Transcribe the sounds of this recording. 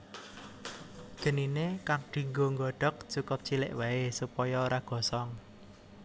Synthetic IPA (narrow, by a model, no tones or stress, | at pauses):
ɡ̥ə̤ninekak̚ɖ̥i̤ŋɡoŋɡɔɖ̥ɔ̤k̚t͡ʃukʊp̚t͡ʃilɪ̰ʔwaesupɔjɔoɾaɡ̥ɔ̤sɔŋ